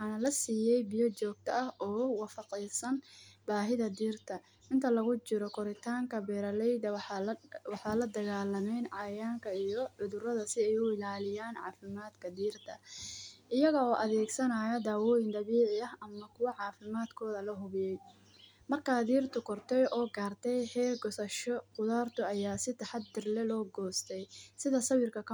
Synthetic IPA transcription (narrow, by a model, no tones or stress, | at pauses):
wħɑːnɐlɐsiːjɛjbɪjɔt͡ʃɔːɡ̚t̪ʰɐʔɐhʔɔːwɑfɑqijsɐnbaːɦɪðɐd̪iːrt̪ʰɐ | ʔɪnt̪ʰɐlɐɣʊt͡ʃɪɾɔkʰɔɾɪt̪ʰaːŋkʰɐbɛːɾɐlɛjd̪ɐ | wɑħɑːlɐd̪ɐɣaːlɐmɛjnʕɑjaːŋkʰɐijɔʕʊðʊrɐðɐsɪɛjʊɪlaːlɪjaːnʕɑ̰ːfɪmaːd̪kʰɐd̪iːrt̪ʰɐʔɪjɐɣɐɔːʔɐðɛːɡsɐnajɐd̪aːwɔːjɪnd̪ɐβiːʕɪɐɦɐmːɐkʰʊwɐʕɑːfɪmaːd̪kʰɔːðɐlɐɦʊβɪjɛj | mɐrkʰaːd̪iːrt̪ʰʊkʰɔrt̪ʰɛjʔɔːɡaːrt̪ʰɛjhɛːrɡɔsɐʃɔqʊðaːrt̪ʰʊɐjaːsɪt̪ʰɐħɑd̪̚ːɪrlɛlɔːɡɔːst̪ʰɛjsɪðɐsɐβɪrkʰɐkʰɐ